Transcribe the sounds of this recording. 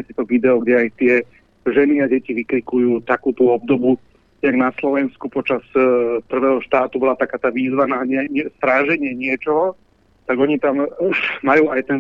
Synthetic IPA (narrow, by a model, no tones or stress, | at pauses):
sit̪ɔʋid̪ɛɔɡɟɛajt̪ɪɛ | ʒɛniaɟɛciʋikɾikujuːt̪akuːt̪uɔb̚d̪ɔbu | jaɡnaslɔʋɛnskupɔt͡ʃaspr̩ʋɛːɦɔʃt̪aːt̪ubɔlat̪akaːt̪aːʋiːzʋanaɲɛɲɛst̪ɾaːʒɛɲɪɛɲɪɛt͡ʃɔɦɔ | t̪aɡɔɲit̪amumajuːajt̪ɛn